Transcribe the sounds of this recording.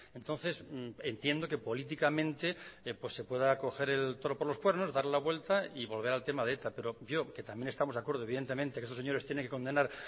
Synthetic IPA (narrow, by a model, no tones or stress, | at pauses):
ent̪o̞nθe̞se̞nt̪jend̪o̞ke̞po̞lit̪̬ikamẽnt̪e̞pwe̞se̞pwe̞ðako̞xe̞ɾelt̪oɾopoɾlo̞spwe̞ɾno̞zðaɾlaβwe̞lt̪aiβo̞lβ̞e̞ɾalt̪e̞maðet̪ape̞ɾo̞bjoke̞t̪amje̞nest̪amo̞akwe̞ɾð̞oiðe̞nt̪e̞mẽnt̪ekest̪oseɲo̞ɾe̞st̪jeneŋkekond̪e̞naɾ